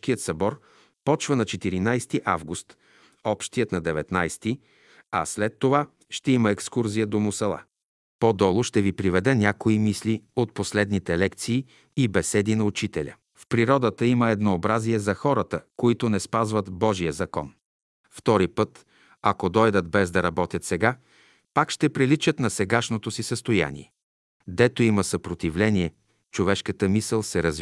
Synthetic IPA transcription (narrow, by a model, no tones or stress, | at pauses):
k̟ijət̪sɐbɔɾ | pɔt͡ʃvənɐt͡ʃɛt̪iɾinajst̪iʔa̰vɡust̪ | ɔpʃt̪ijət̪nɐd̪ɛvɛt̪najst̪i | ɐ̰slɛt̪ːova | ʃt̪ɛiməɛkskuɾzijəd̪omʊsɛlˠa̰ | pod̪ɔlˠoʃt̪ɛvipɾivɛd̪ɛnʲakoimisliot̪̚poslɛd̪nit̪ɛlɛkt̪siː | ibɛsɛd̪inɐut͡ʃit̪ɛlʲə̰ | fpɾiɾɔd̪ət̪əiməɛd̪noːbɾaziɛzɐxɔɾət̪əkoit̪onɛspazvət̪bɔʒijəzɐkɔ̰n | ft̪ɔɾipɤt̪ | ɐkod̪ɔjd̪ət̪bɛzd̪ɐɾɐbɔt̪ʲjət̪sɛɡa | pakʃt̪ɛpɾilit͡ʃət̪nɐsɛɡaʃnot̪osisəst̪oja̰nḭɛ | d̪ɛt̪oiməsəpɾot̪ivlɛniɛ | t͡ʃovɛʃkət̪əmisəlˠsɛɾəz